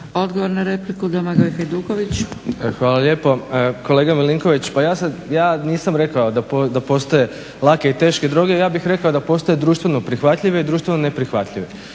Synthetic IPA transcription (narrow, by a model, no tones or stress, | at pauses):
o̞d̪ɡoʋoɾnaɾeplikud̪amaɡojxejd̪uːkoʋit͡ɕxʋaːlaʎe̞ːpo̞ko̞le̞ːɡamiliŋko̞ʋit͡ɕpajaːsajaːniːsamɾe̞kaod̪apd̪apo̞st̪oje̞ | lˠake̞it̪e̞ːʃked̪ɾoːɡe̞jaːbixɾe̞kaod̪apo̞st̪ojed̪ɾuːʃt̪ʋe̞no̞pɾixʋat̪ʎiʋeid̪ɾuːʃt̪ʋenonepɾixʋat̪ʎʲiʋe